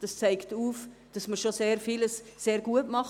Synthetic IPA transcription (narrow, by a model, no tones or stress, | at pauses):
d̥ɑst͡sæɪktuːfd̥ɑsməɾʃoseːɾfiləsːeːɾɡ̥uətmɑχ